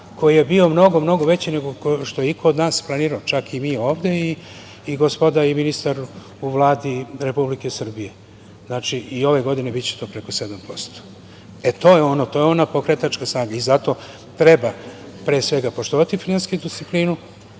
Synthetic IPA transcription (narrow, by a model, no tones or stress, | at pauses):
kʰo̞jije̞bio̞mno̞ɡo̞mno̞ɡoʋe̞t͡ɕine̞ɡokʃt̪o̞jeikʰood̪naːsplˠaniːɾaot͡ʃakimiːo̞ːʋd̪e̞iː | ɡospo̞d̪aiminist̪aɾ | uʋlˠaːd̪iɾe̞publikesr̩bije̞ | znaːt͡ʃiʔio̞ʋe̞ɡo̞d̪ine̞bit̪t͡ɕe̥t̪o̞ːpɾe̞ko̞se̞d̪ampo̞st̪o̥ | et̪o̞ːjeo̞not̪ojeo̞napo̞kɾet̪at͡ʃkasnaːɡaizat̪o̞ː | t̪ɾe̞ba | pɾeːsʋe̞ɡapo̞ʃt̪oʋat̪ifinanskiud̪ist̪ipliːnu